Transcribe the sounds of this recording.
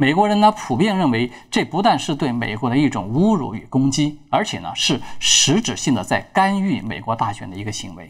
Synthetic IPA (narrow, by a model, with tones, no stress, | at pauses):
me˨˩ɪkwɔ˧˥ɻə˧˥nt̪ə˧pʰu˨˩pjɛ˥˧nɻə˥˩nwe˧˥ɪʈ͡ʂe˥˩pu˧˥t̪̬wa˥˧nʂɻ̩˥˧t̪we˥˩ɪmḛ˨˩ɪkwɔ˧˥d̪ə˧i˥˩ʈ͡ʂʊ̰˨˩ŋu˥ɻṵ˧˥y̰˨˩kʊ˥ŋt͡ɕi˥ə˞˧˥t͡ɕʰjɛ˨˩nə̰˦ʂɻ̩˥˩ʂɻ̩˧˥ʈ͡ʂɻ̩˨˩ɕi˥˩ŋd̪ə˩t͡sa˥˩ɪka˥ny˥˩me˨˩ɪkwɔ˧˥t̪a˥˩ɕɥɛ˨˩nd̪ə˦i˧˥ɡə˧ɕi˧˥ŋwe˧˥ɪ